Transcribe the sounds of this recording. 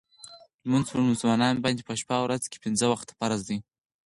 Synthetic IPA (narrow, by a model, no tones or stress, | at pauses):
lmunzpəɾmuslmɑnɑnbɑnd̪epəʃpawɾazke̥pɪnzəwaxt̪ḁpaɾazd̪i